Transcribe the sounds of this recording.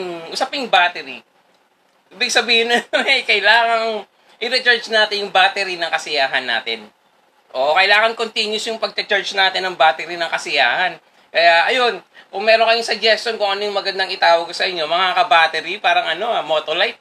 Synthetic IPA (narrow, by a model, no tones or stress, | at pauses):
ŋʔʊsapɪŋbaːt̪ɛɾḭ | ʔiːbɪɡ̚sɐbiːhɪnɐɛjkɐɪlaːŋɐŋ | ʔɪɾɛt͡ʃɛɹt͡ʃnaːt̪ɪnjʊŋbaːt̪ɛɾinɐŋkɐsɪjaːɦɐnːa̰ːt̪ɪn | ʔoʔokɐʔɪlaːŋɐnkont̪injʊsjʊŋpɐɡ̚kɐt͡ʃɛɹt͡ʃnaːt̪ɪnːɐŋbaːt̪ɛɾinɐŋkɐsɪja̰ːhɐn | kɐjaʔɐjo̞nkʊŋmɛːɾoŋkɐjʊŋsɐɡ̚d͡ʒɛst̪onkʊŋʔɐnojʊŋmɐɡɐnd̪ɐŋɪt̪aːwɐɡsɐʔɪɲːo̞mɐŋakɐbaːt̪ɛɾipaːɾɐŋʔɐno̞amoːt̪olajt̪̚